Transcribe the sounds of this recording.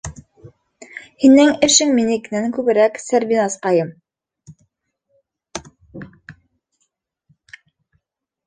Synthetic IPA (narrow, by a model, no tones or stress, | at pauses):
hinɘŋɘ̆ʃɘŋminɘkɘ̆næŋkʉβɘ̆ɾæksæɾbinɑsqɑjɤm